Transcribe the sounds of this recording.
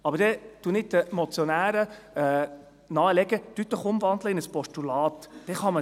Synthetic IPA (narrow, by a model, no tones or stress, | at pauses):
ɑbəɾdɛtunɪt̚dəmɔt͡sjɔnæːɾə | ɛ | nɑːəlɛɡətyt̪ləχʊmvɑnd̪ləɪnəspɔʃtulɑːtd̥ɛχɑmə